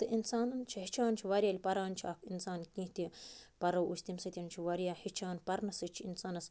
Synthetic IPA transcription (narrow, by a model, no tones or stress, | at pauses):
t̪ɨʔinsaːnɨnt͡ʃʰihit͡ʃʰaːnt͡ʃʰiʋaɾʲjaːlʲpɐɾaːnt͡ʃʰiaːkʰinsaːnkĩːht̪ipɐɾɐwʔusʲt̪ʲimsɐt̪ʲint͡ʃʰiʋɐɾʲjaːhit͡ʃʰaːnpɐɾnɐsɨt͡ʃʰiinsaːnɐs